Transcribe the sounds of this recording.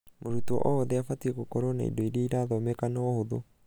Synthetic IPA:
moɾutwɔ̰ʔɔːðɛafatiekokɔɾona̰ḭdɔiɾeiɾaːðɔmɛkanaɔhoðo̰

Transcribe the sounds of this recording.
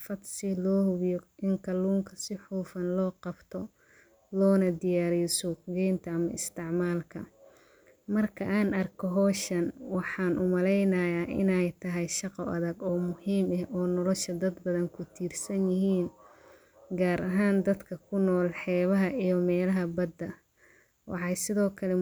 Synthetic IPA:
fɐd̪sɪlɔːhʊβjɔʔɪŋkʰɐluːŋkʰɐsɪħuːfɐnlɔːqɑbt̪ʰɔ | lɔːnɐd̪ɪjaːɾisuɡɛːnt̪ʰɐɐmɐɪst̪ʰɪʕmaːlkʰɐ̰ | mɐrkʰɐʔaːnɐrkʰɔɦɔːʃɐnwɑħɑːnʔʊmɐlɛjnɐjaːʔɪ̰nɛjt̪ʰɐɦɛjʃɑqɔɐðɐɡɔːmʊhiːmɐhʔɔːnɔlɔʃɐd̪ɐd̪bɐðɐŋkʰʊt̪ʰiːrsɐnjɪɦiːn | ɡaːɾɐɦaːnd̪ɐd̪kʰɐkʰʊnɔːlħɛːβɐɦɐʔijɔmɛːlɐɦɐbɐd̪ːɐ | wɑ̰ħɑjsɪðɔːkʰɐlɛ

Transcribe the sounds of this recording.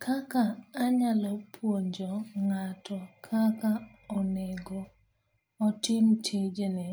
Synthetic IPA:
kʰakaːɲalɔpʰwoɲd͡ʒɔŋatʰɔkʰakaɔneɡo | ɔtɪmt͡ʃʰed͡ʒenɛ

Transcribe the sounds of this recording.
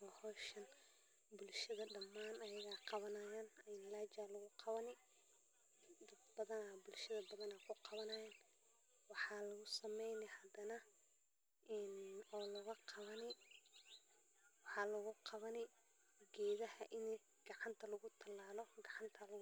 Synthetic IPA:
ɔhɔːʃɐn | bʊlʃɐðɐɖɐmːaːnɐjɐɣaːqʰɑβɐnɐjaːnɐɪnlaːt͡ʃalɐɣʊqʰɑβɐnɪ | d̪ɐd̪̚bɐðɐnabʊlʃɐðɐbɐðɐnakʰʊqɑβɐnɐjaːn | wɑħɑlɐɣʊsɐmɛjnɪhɐd̪ɐnɐ | ʔɛnɔːlɐɣɐqʰɑβɐnɪ | wɑħɑːlɐɣʊqʰɑβɐnɪ | ɡɛːðɐhɐʔɪn | ɡ̥ɑʕɑnt̪ʰɐlɐɣʊt̪ʰɐlaːlɔɡɑʕɑnt̪ʰɐlɐɣ

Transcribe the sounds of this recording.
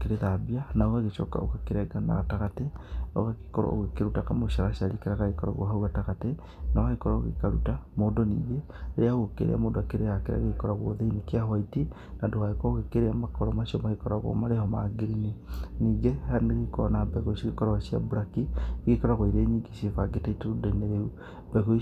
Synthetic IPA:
keɾeðabianaoɣaɣet͡ʃɔka̰o̰kakeɾɛɡana̰ɣataɣateo̰ɣake̥kɔɾɔ̰o̰ɣekeɾutakamoʃaɾaʃiaɾikeɾaɣaɣekɔɾɔ̰ɣo̰ɦauɣataɣate | nawaekɔɾaɣḛkaɾutamodɔniːɣeː | ɾeaɣokḛɾḛa̰moːndoakeɾeakeɾa̰ɣekɔɾaɣo̰ðeinekeahwaiti | nandoɣaɣekɔɣekeɾeamakɔɾɔmaʃiɔmaɣekɔɾaɣo̰maɾehɔmaɡeɾineniːɡehaɾneɣekɔnabɛɣoisiɣekɔɾɔasia̰buɾakiɣekɔɾaɣwaiɾeɲiɡesevaɡeteiteudeneɾeu | bɛɣo

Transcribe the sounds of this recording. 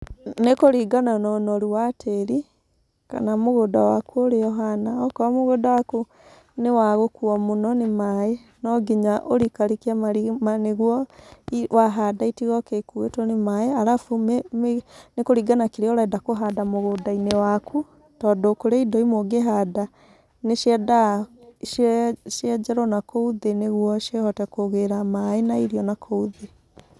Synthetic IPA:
nekoɾiɡananɔnɔɾuwatʰeɾi | ka̰namoɣodawakuoɾejɔɦanaɔkɔamoɣodawaku | newaɣokuɔmonɔnemae | nɔɡiɲaʔoɾikaɾikiamaɾimaneɣwɔiwaɦadaitiɣɔkekuetɔnemaeaɾafumemnekoɾiɡanakeɾeɔɾaɛdakoɦadamoɣodainewakʰu | tɔːdɔkoɾeidɔimoɡeɦada | neʃjɛdaʃʃjɛd͡ʒɛɾɔnakouðeneɣwɔʃjehɔtɛkoɣeɾamaenaiɾiɔnakʰouðe

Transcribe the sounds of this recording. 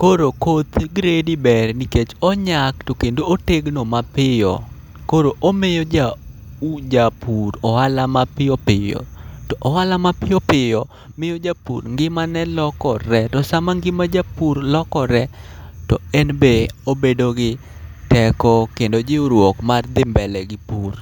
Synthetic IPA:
koɾokot̪ɡɾedibɛrniket͡ʃɔɲaktokendooteɡnomapɪjɔ̰ | koɾoʔomejod͡ʒaud͡ʒapuɾɔhalamapɪopɪjɔ̰tɔʔɔhalamapɪjɔpɪjɔ | mɪjod͡ʒapṵɾŋɡɪmanɛlɔkɔɾɛtɔsamaŋɡɪmad͡ʒapuɾlɔkɔɾɛ | tɔɛnbeobedoɡɪ | tɛkɔkendod͡ʒɪoɾwɔkmard̪ɪmbɛlɛɡɪpuɾ

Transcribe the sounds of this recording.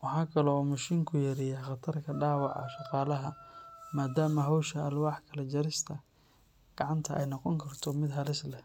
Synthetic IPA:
wɑħɑːkʰɐlɔːmɐʃiːŋkʰʊjɐɾɪjaχɑt̪ʰɐrkʰɐɖɑːwɑʕɑ̰ʃɑqɑːlɐɦɐmaːd̪aːmɐɦɔwʃɐɐlwɑːħkʰɐlɐt͡ʃɐɾɪst̪ʰɐ | ɡ̥ɑʕɑnt̪ʰɐʔɛ̰jnɔqɔŋkʰɐrt̪ʰɔmɪd̪ɦɐlɪslɛ

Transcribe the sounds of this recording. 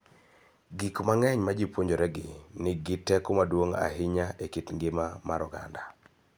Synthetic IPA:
ɡikmaŋɛɲmad͡ʒipwoɲd͡ʒoɾɛɡɪnɪɡɪtɛkomadwoŋa̰ɦɪɲaʔekitŋɡɪmamaɾɔɡa̰nda

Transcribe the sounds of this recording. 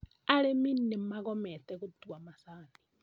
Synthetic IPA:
aɺɛminimakɔmɛt̪ɛkud̪uwamasaːni

